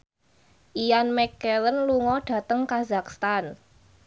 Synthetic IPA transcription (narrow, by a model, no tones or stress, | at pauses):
ʔijanmɛkɛlənluŋɔɖ̥ä̤t̪əŋkazakst̪an